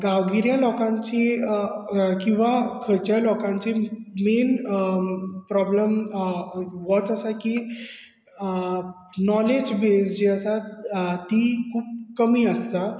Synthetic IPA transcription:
ɡaʋɡiɾjalɔkãɲt͡ɕi | kĩw̃ʋakʰəɾt͡ɕjalɔkãɲt͡ɕemen | pɾɔbləm | ʋɔt͡səsaki | nɔled͡ʑbesd͡ʑeəsat̪ikʰuːb̚kəmiːəst̪a

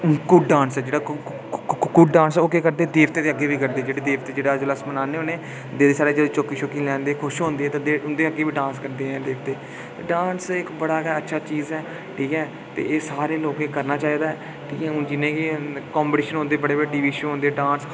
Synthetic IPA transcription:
kʊɖãːnsɛːd͡ʒeːɽaː | kʊɖɖãːnsoːkeːkəɾd̪eːd̪eːʋt̪eːd̪eːəɡːeːʋiːkəɾd̪eːd͡ʒeːɽeːd̪eːʋt̪eːd͡ʒeːɽaːd͡ʒoləsmənaːneːɦoːneː | d̪eːd̪eːsaːɾeːd͡ʒəd̪eːt͡ʃoːkiːt͡ʃʰoːkĩːlɛ̃ːnd̪eːkʰʊʃɦõːnd̪eːɛːt̪ãd̪eːʊnd̪eːəɡeːʋiːɖãːnskəɾd̪eːɛ̃ːd̪eːʋt̪eː | ɖaːnsɪkbəɽaːkɛətːʃʰaːt͡ʃiːzɛː | ʈʰiːkɛː | t̪ḛːeːsaːɾeːloːkekəɾnaːt͡ʃaːiːd̪aːɛː | ʈʰiːkɛ̃ːd͡ʒɪnẽːkikɔːmbʈiːʃənɦõːnd̪eːbəɽeːbəɽeːɖiːʋiːʃːɦõːnd̪eːɖãːns

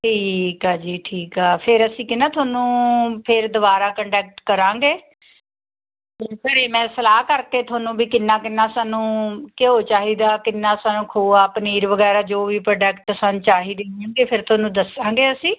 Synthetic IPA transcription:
ʈʰiːkaːd͡ʒiːʈʰiːkaːpʰɪɾəsĩːkɪnãːt̪ʰoːnũːpʰɪɾd̪ʊbaːɾaːkəɳɖɛːk̚ʈkəɾãːŋɡeː | ekəɾeːmɛ̃ːsəlaːkəɾkeːt̪ʰʊaːnũːbiːkɪnːãːkɪnːãːsaːnũːkɪɦoːt͡ʃaːɦiːd̪aːkɪnːaːsaːnũːkʰoːaːpniːɾʋəɡɛːɾaːd͡ʒoːʋiːpɾəːɖɛːkʈəsant͡ʃaːɦiːd̪eːɪjãːɡeːpʰɪɾt̪ʰaːnũːd̪əsãːŋɡeːəsĩː

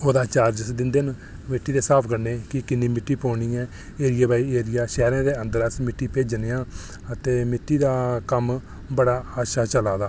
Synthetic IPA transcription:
oːd̪aːt͡ʃaːɾd͡ʒəsd̪ɪnd̪eːn | mɪʈːiːd̪eːsaːpʰkəɾneːkɪkɪnːĩːmɪʈːiːpõːɳ̃iːɛ̃ː | eːɾɪjaːbaːiːeːɾɪjaːʃɛːɾãːd̪eːənd̪əɾəsmɪʈːiːpeːd͡ʒneːãː | ət̪eːmɪʈːiːd̪aːkəm | bəɽaːaːʃaːt͡ʃəlaːd̪aː

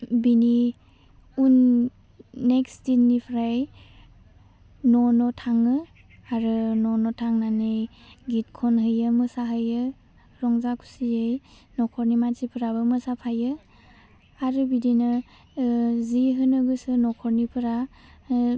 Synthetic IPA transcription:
bini | unː | ekstinːipʰɾaj | nɔnɔtʰaŋɯ | aɾɯnɔnɔtʰaŋnanejɡit̚kʰɔnɦɯjɯmɯsaɦɯjɯ | ɾɔŋzakʰu̥siej | nɔkʰɔɾnimanzipʰɯɾabɯmɯsapʰajɯ | aɾɯbidinɯ | ziɦɯnɯɡɯsɯnɔkʰɔɾnipʰɯɾa

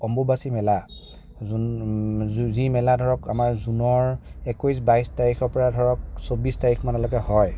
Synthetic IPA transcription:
ɔmbobasimɛla | zimɛladʱɔɹɔkamaɹzunɔɹɛkujs̬bajstaɹikʰɔɹpɔɹadʱɔɹɔk̚sobistaɹikʰmanɔlɔkɛhɔj

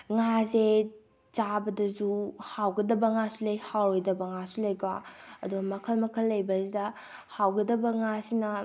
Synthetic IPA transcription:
ŋaze | t͡ʃabɐdɐzuhawɡɐdɐbɐŋasulɐjhawɾojdɐbɐŋasulɐjɡwaɐduɡɐmɐkʰɐlmɐkʰɐlːɐjbɐzidɐ | hawɡɐdɐbɐŋasinɐ

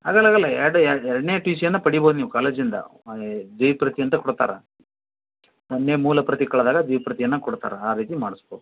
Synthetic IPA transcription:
ɦa̰ːɡɐlːaːɡɐlːɐɛɾɐɽɛɾɐɽnejɐʈiːsijɐnːɐpɐɽibo̞ːd̪uniːʋukaːleːd͡ʒind̪ɐ̰d̪ejpɾɐt̪ijɐnt̪ɐkɔɽt̪a̰ːɾɐ | ɐnːemuːlɐpɾɐt̪ikɐɭɐd̪aːɡɐd̪ɐjpɾɐt̪ijɐnːɐkɔɽt̪a̰ːɾɐaːɾiːt̪imaːɽisboːd̪u

